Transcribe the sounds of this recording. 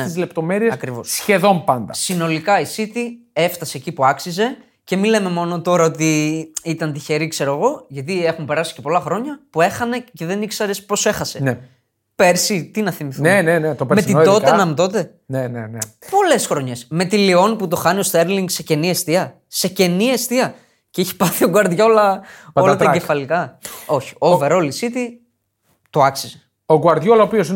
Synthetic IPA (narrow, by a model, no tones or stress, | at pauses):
neizle̞pt̪o̞me̞ɾieɐkɾivo̞ssçe̞ðo̞mpɐnd̪ɐsino̞likɐisit̪ie̞ft̪ɐse̞ːcipuɐksize̞ | ce̞mile̞me̞mo̞no̞t̪o̞ɾɐot̪iit̪ɐnt̪içe̞ɾikse̞ɾoɐɣo̞ʝɐt̪̬ie̞xumpe̞ɾɐsi̥ce̞po̞lɐxɾo̞ɲɐpue̞xɐne̞ce̞ðe̞niksɐɾe̞spo̞se̞xɐse̞ne | pe̞ɾsit̪inɐθimiθunenenet̪opɾmeid̪o̞t̪enɐmt̪o̞t̪e̞ | nenenepo̞le̞sxɾo̞ɲe̞sme̞t̪ilio̞niput̪o̞xɐnio̞st̪eɾliŋɡse̞ce̞niest̪iɐ | se̞ce̞niest̪iɐ | ceiçe̥pɐθioɡuɐɾðʝɐolɐo̞lɐt̪ɐɟefɐlikɐo̞çi̥oveɾo̞lisit̪i | t̪oɐksize | oɡuɐɾt̪ʝolopios̬i